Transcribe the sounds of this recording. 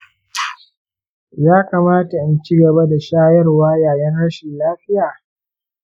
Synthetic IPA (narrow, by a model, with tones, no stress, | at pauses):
jaː˦kaː˨maː˦ta˨ʔa˦nt͡ʃi˦ɡɐ˨ba˦da˨ʃaː˦jɐ˦rwaː˦jaː˨jɐ˦nɽɐ˦ʃɪ˨nlaː˦ɸɪ˦jaː˨